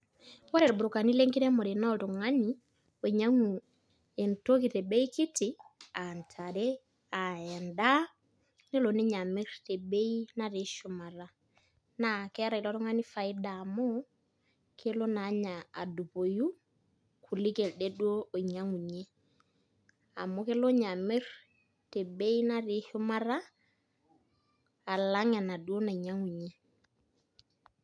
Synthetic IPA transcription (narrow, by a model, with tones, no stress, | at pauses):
wɔ˦ɾɛ˨lbɾu˨ka˨ni˦le˦ŋki˦ɾɛ˦mɔ˨ɾe˨nɔ˦tu˨ŋa˦ni˨ | o˨ɲa˦ŋu˨ | e˨nto˦ki˨te˨be˦i˦ki˦ti˨a˨ntʰa˨ɾe˦ | a˨ɛ˨nda˦ | ne˦lo˨ni˦ɲa˨mɪ˦ɾte˨be˦i˦na˦ɾe˦ʃu˨ma˨ɾa˦ | na˦kɛ˦ɾa˨i˨lɔ˦tu˦ŋa˦ni˦fa˨i˦da˨mo˦ | kʰe˦lo˦na˨˦ɲa˨a̰˨du˨po˨ju˦ | kʰu˨lɪ˦ke˨lde˦dwo˦o˨i˨ɲa˦ŋu˨ɲe˦ | a̰˨mʊ˦ke˦lo˦ɲa˨mɪ˦r | te˨be˦i˦na˦rɪ˨hʊ˦ma˦ra˦ | a˨la˦ŋa˨na˨du˦o˦na˨i˨ɲa˦ŋu˨ɲe˦